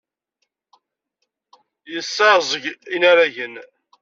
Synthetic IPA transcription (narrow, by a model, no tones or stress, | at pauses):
jəsːɑzˤəʝinaɾæʝən